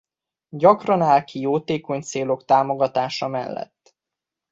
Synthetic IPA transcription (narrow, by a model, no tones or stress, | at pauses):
ɟɒkrɒnaːlkijoːt̪eːko̞ɲt̪seːlo̞kt̪aːmo̞ɡɒt̪aːʃɒmɛ̰lːɛ̰t̪ː